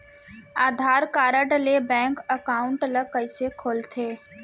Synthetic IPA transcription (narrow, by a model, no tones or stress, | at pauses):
aːd̪ʱaːɾkaːɾəɖlebɛ̃ːŋkəkaːʊ̃ɳʈələkəisekʰoːlt̪ʰeː